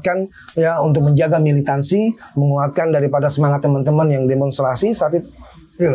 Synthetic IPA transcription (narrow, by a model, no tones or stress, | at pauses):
t̪̚kan | jaunt̪̬ʊk̚məɲd͡ʒaɡamilit̪ansiməŋuat̪̚kandaɾipadasəmaŋat̪ːəmənt̪əmənjaŋdemɔnst̪ɾasisaat̪it̪ | il